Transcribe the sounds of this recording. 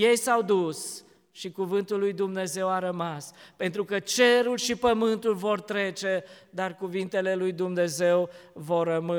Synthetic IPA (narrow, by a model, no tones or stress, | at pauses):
je̞jsawd̪us | ʃikuvɨnt̪ulːujd̪umne̞ze̞waɾəmaspe̞nt̪ɾukət͡ʃe̞ɾulʃipəmɨnt̪ulvo̞rt̪ɾe̞t͡ʃe̞d̪arkuvint̪e̞le̞lujd̪umne̞ze̞wvo̞rːəmɨ